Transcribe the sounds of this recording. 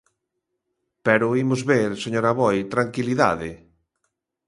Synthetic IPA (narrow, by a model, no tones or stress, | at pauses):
pɛɾʊimʊzβeɾseɲoɾaβɔjt̪ɾaŋkiliða̰ðɪ